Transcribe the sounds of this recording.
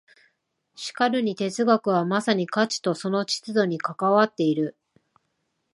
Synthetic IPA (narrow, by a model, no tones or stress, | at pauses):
ɕi̥kaɾɯ̟ɲ̟it̪e̞t͡sɨɡakɯ̟βamasaɲ̟ikat͡ɕi̥t̪o̞so̞no̞t͡ɕi̥t͡sɨd̪o̞ɲ̟ikakaβat̪ːe̞iɾɯ̟